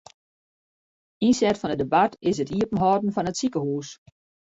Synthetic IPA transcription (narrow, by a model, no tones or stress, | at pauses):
insɛtfɔnədebatɪsətiəpən̩ɦɔːdn̩fɔnətsikəhuːs